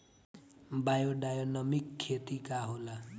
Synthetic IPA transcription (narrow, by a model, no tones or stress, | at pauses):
bajoɖajonʌmikʰːet̪ikaɦola